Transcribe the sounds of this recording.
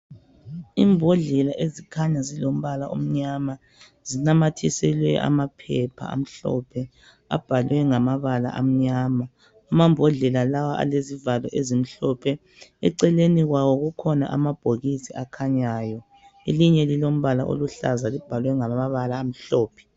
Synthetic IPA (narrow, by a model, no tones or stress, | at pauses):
iːmbʱoɮɛlaʔezikʰaɲazilom̩βalaʔom̩ɲama | zinamatʰisɛlwɛʔa̰mapʰɛpʰa̰a̰m̩ɬɔ̰pʰɛ | a̰b̥ʱalwɛŋamaβala̰ʔa̰m̩ɲaːma | amambʱɔɮɛlalawaʔa̰lezivalɔʔezim̩ɬɔpʰɛ | ɛ̰ǀɛleniɣwawɔɣukʰɔna̰ʔa̰mab̥ʱoɣisiakʰaɲaːjɔ | eliɲɛlilom̩βalaʔo̰luɬa̰zalib̥ʱalwɛŋaamaβalaːm̩ɬɔːpʰɛ̥